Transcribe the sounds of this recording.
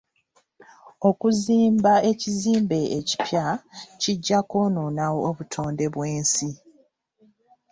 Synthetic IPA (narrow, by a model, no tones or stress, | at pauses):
o̞kuziːmbae̞ciziːmbe̞ʔeci̥pjaciɟːakoːnoːnawoːβutʰo̞ːnde̞βwe̞ːnsi